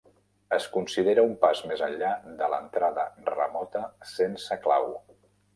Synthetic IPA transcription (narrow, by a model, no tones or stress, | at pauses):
əskunsiðeɾəumpazmezənʎad̪ələ̰nt̪ɾaðərə̰mɔt̪əsensəkla̰w